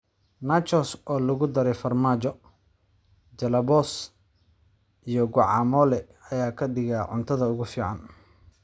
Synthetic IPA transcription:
nat͡ʃɔsɔːlɐɣʊd̪ɐɾɛjfɐrmaːt͡ʃɔ | d͡ʒɐlɐβɔːs | ʔijɔɡʊʕɑːmɔːlɛ | ɐjaːkʰɐɖɪɣaːʕʊ̰nt̪ʰɐðɐʊɣʊfiːʕɑ̰n

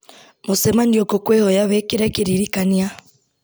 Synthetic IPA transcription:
mosɛmanioɡokwehɔjaβekeɾɛkeɾiɾikania

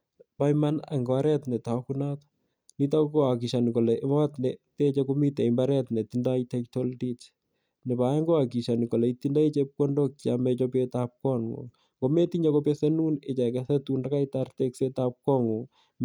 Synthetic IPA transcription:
pajmana̰ŋɡɔaɾɛtnɛtakunat | nit̬akoakiʃankolɛmɔtnetet͡ʃɛkomitɛimbaɾɛtnetindajtɛktoldit͡ʃ | nebajɛŋɡoakiʃanikolɛitindait͡ʃep̚kondok̚t͡ʃamɛt͡ʃɔp̬etap̚kɔŋŋo̰ | ŋɡometiɲakopesɛnunet͡ʃakɛsɛtundakajtart̪eksetap̚kɔŋo

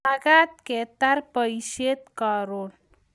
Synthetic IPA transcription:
aɡat̪̚ket̪aɾpəiʃet̪kaɾol

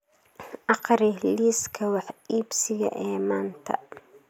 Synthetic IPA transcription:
ʔɑqɾɪliːskʰɐwɑħiːbsɪɣɐ̰ʔɛːmaːnt̪ʰɐ̰

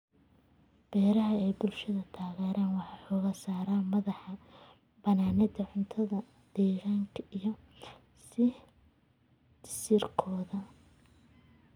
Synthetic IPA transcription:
b̥ɛːɾɐɦɐɛjbʊlʃɐðɐt̪ʰaːɣɛːɾaːnwɑħɑːħɔːɣaːsaːɾaːmɐðɑħɑ | bɐnaːnɪd̪ɐʕʊnt̪ʰɐðɐ | d̪̥ɛːɣaːŋkʰɐʔijɔ | sɪ | d̪ɪ̥siːrkʰɔːðɐ

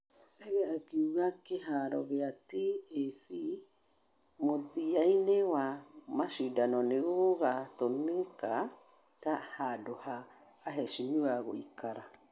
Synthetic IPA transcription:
seɡɛakiuɡakeɦaɾɔ̰ɡeatiesi | moðiajnewamasudanɔneɣoɣatoneka | tahadohaː | ɦesuɲuaɣoikaɾa

